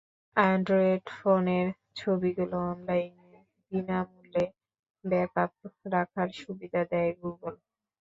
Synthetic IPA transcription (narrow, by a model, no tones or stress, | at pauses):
anɖɾoeɖfoneɾ | t͡ɕʰobiɡuloɔnlajne | d̪inamule | bɛkap̚ɾakʰaɾʃubid̪ʱad̪ɛeɡuɡol